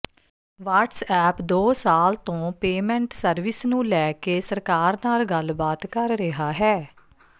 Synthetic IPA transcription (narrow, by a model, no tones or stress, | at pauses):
ʋaːʈsɛːpd̪oːsaːlt̪õːpeːmɛ̃ːɳʈsəɾʋɪsnũːlɛːkeːsəɾkaːɾnaːlɡəlbaːt̪kəɾɾɪɦaːɦɛː